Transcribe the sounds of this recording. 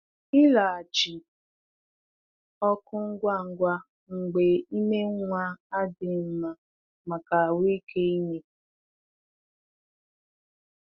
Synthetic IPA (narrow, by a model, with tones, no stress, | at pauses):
ɪ˦la˨a˨t͡ʃɪ˨ | ɔ˦kʊ˦ŋ̩˦ɡʷa˦˨ŋ̩˨ɡʷa˦ | ŋ̩˨ɡ͡be˨i˦me˦ŋʷa˦a˦dɪ˨m̩˦ma˨ | ma˨ka˨wi˦kʰe˦i˦me˦